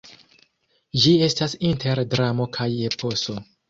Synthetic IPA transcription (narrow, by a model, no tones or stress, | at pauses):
d͡ʒie̞stasintʰe̞ɾdɾamo̞kʰaje̞pʰo̞so̞